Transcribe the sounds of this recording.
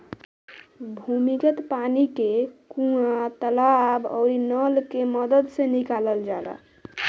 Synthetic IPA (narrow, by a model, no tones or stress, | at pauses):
bʱumikət̪panikekũãt̪əlabɔ̰ʊɾinəlkeməd̪əd̪senikaləld͡ʒala̰